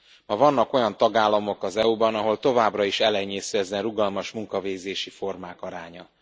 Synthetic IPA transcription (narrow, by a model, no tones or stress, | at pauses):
mɒvɒnːɒko̞jɒnt̪ɒɡaːlːɒmo̞kɒzɛubɒnɒɦo̞lt̪o̞vaːbrɒiʃɛlɛɲːeːsyɛzɛnruɡɒlmɒʃmuŋkɒveːzeːʃifo̞rmaːkɒɾaːɲɒ